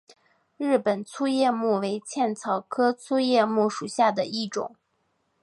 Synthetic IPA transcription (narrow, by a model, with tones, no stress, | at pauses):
ɻɻ̩˥˩pə˨˩nt͡sʰu˥jɛ˥˧mu˥˩we˧˥ɪt͡ɕʰjɛ˥˩nt͡sʰɑ˨˩ʊkʰɤ˥t͡sʰu˥jɛ˥˧mu˥˩ʂu˨˩ɕja˥˩d̪ə˩i˥˩ʈ͡ʂʊ̰˨˩˦ŋ